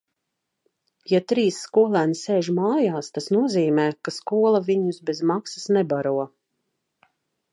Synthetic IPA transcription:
jat̪ɾiːsːkuɔlˠæːnseːʒmaːjaːst̪asnuɔziːmɛːkaskuɔlˠaviɲusbɛzmaksḁsnɛbaɾuɔ

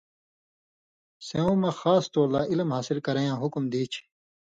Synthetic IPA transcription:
seõːmɐxaːst̪oːlaːʔilmɦaːsilkɐɾɐjãːɦukumd̪iːt͡ɕʰ

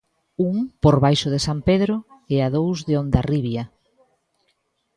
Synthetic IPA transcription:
uŋpoɾβajʃʊðesampeðɾʊeaðowzðeond̪ariβja

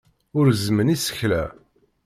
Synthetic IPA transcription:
ʊɾzmənisə̥çlæ̰

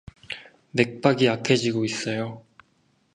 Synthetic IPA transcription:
me̞k̚p͈aɡiakʰed͡ʑiɡois͈ʌjo

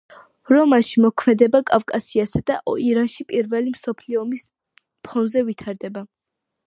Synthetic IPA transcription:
ɾɔmanʃimɔkʰmɛd̪ɛbakʼafkʼasiasad̪aʔɔiɾanʃipʼiɾvɛlimsɔpʰliɔmis | pʰɔnzɛvit̪ʰaɾd̪ɛba

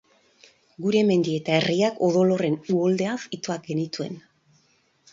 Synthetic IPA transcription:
ɡuɾeme̞nd̪ie̞t̪ae̞riako̞ðo̞lo̞re̞nuo̞ld̪e̞afit̪oak̚ɡe̞nit̪ue̞̰n

